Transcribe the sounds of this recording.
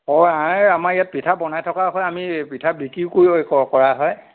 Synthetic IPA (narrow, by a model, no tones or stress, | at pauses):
ɔãamaɹijat̚pitʰabɔnajtʰɔkaɦɔjamipitʰabikikoiokɔkɔɹaɦɔj